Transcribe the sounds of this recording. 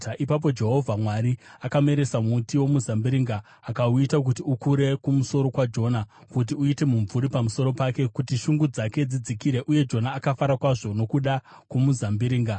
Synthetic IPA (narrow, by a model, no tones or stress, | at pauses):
ʔipap̬o̞d͡ʒe̞ɦo̞vʱamwaɾiakame̞ɾe̞samutiwo̞muzambiɾiːŋɡaː | kauitak̬utiukuɾe̞kumuso̞ɾo̞kwad͡ʒo̞nakut̬iuite̞muɱvuɾipamuso̞ɾo̞pake̞kutiʃuŋɡud͡zake̞d͡zid͡zikiɾe̞ʔuje̞d͡ʒo̞naːkafaɾakwaʐo̞no̞kuɗa | kumuzambiɾiːŋɡa